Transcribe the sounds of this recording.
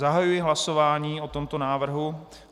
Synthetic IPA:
aɦajujɪɦlaso̞vaːɲiːot̪o̞mt̪o̞naːvr̩ɦu

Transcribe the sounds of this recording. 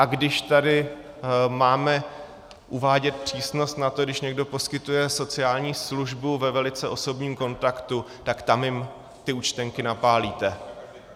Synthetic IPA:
ʔaɡdɪʃt̪adɪ | maːmɛ | ʔuvaːɟɛt̪̚pr̝̥iːsno̞st̪nat̪o̞ɡdɪʃɲɛɡdo̞po̞skɪt̪ujɛso̞t͡sɪaːlɲiːsluʒbuvɛvɛlɪt͡sɛʔo̞so̞bɲiːmko̞nt̪akt̪u | t̪akt̪amjɪm | t̪ɪut͡ʃt̪ɛŋkɪnapaːliːt̪ɛ

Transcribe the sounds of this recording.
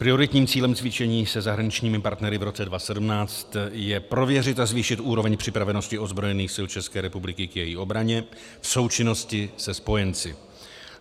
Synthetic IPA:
pɾɪjo̞ɾɪt̪ɲiːmt͡siːlɛmt͡svɪt͡ʃɛɲiːsɛzaɦɾaɲɪt͡ʃɲiːmɪpaɾt̪nɛɾɪvɾo̞t͡sɛdvasɛdumnaːt͡st̪jɛpɾo̞vjɛrɪt̪azviːʃɪt̪ʔuːɾo̞vɛɲpr̝̥ɪpɾavɛno̞scɪo̞zbɾo̞jɛniːxsɪlt͡ʃɛskɛːɾɛpublɪkɪkjɛjiʔo̞bɾaɲɛ | fso̞wt͡ʃɪno̞scɪsɛspo̞jɛnt͡sɪ

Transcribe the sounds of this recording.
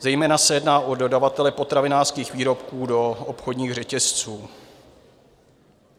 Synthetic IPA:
zɛjmɛːnasɛjɛdnaːʔo̞do̞davat̪ɛlɛpo̞t̪ɾavɪnaːrskiːxviːɾo̞pkuːdo̞opxodɲiːɣrɛcɛst͡suː

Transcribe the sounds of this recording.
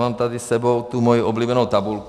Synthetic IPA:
aːmt̪ad̪isːɛbɔʊt̪uːmɔjiʔɔbliːbɛnɔʊt̪abulk

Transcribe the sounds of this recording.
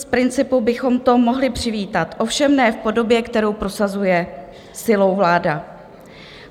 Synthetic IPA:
spɾɪnt͡sɪpubɪxo̞mt̪o̞mo̞ɦlɪpr̥ɪviːt̪at̪ʔo̞fʃɛmnɛːfpo̞do̞bjɛkt̪ɛɾo̞wpɾo̞sazujɛ | sɪlo̞wvlaːda

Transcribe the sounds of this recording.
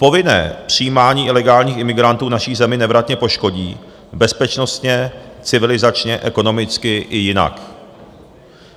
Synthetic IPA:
po̞vɪnɛ̰ːpr̝̥ijiːmaːɲiːʔɪlɛɡaːlɲiːxɪmɪɡɾant̪uːnaʃiːzɛmɪnɛvɾat̪ɲɛpo̞ʃko̞ɟiː | bɛspɛt͡ʃno̞st̪ɲɛt͡sɪvɪlɪzat͡ʃɲɛʔɛko̞no̞mɪt͡skɪʔɪjɪna̰k

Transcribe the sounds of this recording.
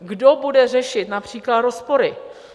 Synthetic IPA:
ɡdobudɛrɛʃɪt̪napr̝̥iːklat̪ɾospo̞ɾɪ

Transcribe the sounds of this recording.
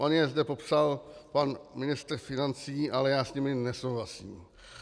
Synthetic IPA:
ʔonjɛzdɛpo̞psalpanmɪnɪst̪r̩fɪnant͡siːʔalɛjaːsɲɪmɪnɛso̞wɦlasḭːm

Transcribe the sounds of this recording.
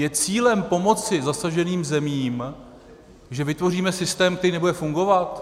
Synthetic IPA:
jɛt͡siːlɛmpo̞mo̞t͡sɪzasaʒɛniːmzɛmiːm | ʒɛvɪt̪vo̞riːmɛsɪst̪ɛːmk̚t̪ɛɾiːnɛbudɛfuŋɡo̞vat̪

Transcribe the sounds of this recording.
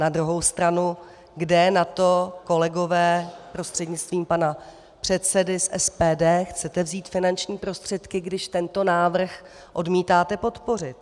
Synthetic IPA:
nad̪ɾuɦo̞wst̪ɾanu | ɡdɛnat̪o̞ko̞lɛɡo̞vɛːpɾo̞st̪r̝̥ɛdɲɪt͡st̪viːmpana | pr̝̥ɛt̪sɛdɪsʔɛ̰spɛːdɛːxt͡sɛt̪ɛvziːt̪fɪnant͡ʃɲiːpɾo̞st̪r̝̥ɛt̪kɪɡdɪʃt̪ɛnt̪o̞naːvr̩x | ʔo̞dmiːt̪aːt̪ɛpo̞t̪po̞r̝ɪt̪̚

